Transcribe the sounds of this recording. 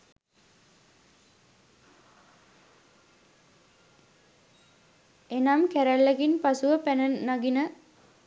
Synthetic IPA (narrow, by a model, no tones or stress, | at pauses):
enamkæɾælːɛɡinpasuʋəpænəːaɡinə